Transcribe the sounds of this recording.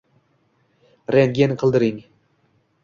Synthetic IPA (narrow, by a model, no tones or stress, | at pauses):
ɾenɡʲenɪqʰɨlˠd̪ɪɾɪŋ